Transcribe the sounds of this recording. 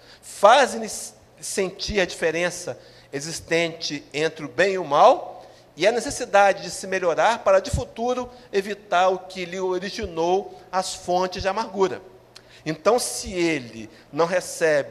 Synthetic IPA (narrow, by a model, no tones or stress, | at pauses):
faz̃ɪ | sẽnt͡ʃiɾɐd͡ʒifeɾẽsɐ | ezist̪ẽnt͡ʃɪẽnt̪ɾɪʊbẽj̃iʊmaw | ɪɛnesesid̪ad͡ʒɪd͡ʒɪsɪmeʎoɾaɾpaɾɐd͡ʒɪfut̪uɾʊevit̪aɾʊkɪlɪoɾiʒinowɐsfõnt͡ʃɪzd͡ʒɪamaɾɡuɾɐ̰ | ẽnt̪ɐ̃w̃sɪelɪ̰ | nɐ̃w̃ɦesɛbɪ